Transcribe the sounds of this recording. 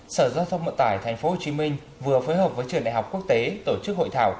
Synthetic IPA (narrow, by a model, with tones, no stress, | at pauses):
səː˧˩zaː˧t̪ʰə˧wŋ͡mvə̰˧˨t̪aː˧˩jt̪ʰa˨˩jŋ̟fo˨˦ho˨˩t͡ɕi˨˦mi˧ŋ̟ | vɨ˨˩əfoː˨˦jɦəː˨˩p̚vəː˨˦jt͡ɕɨ˨˩nɗa̰˧˨˩ha˨˩wk͡p̚ku˦˥ək̚t̪e˨˦t̪o˧˩t͡ɕɨ˦˥k̚ho̰˧˨jt̪ʰaː˧˩w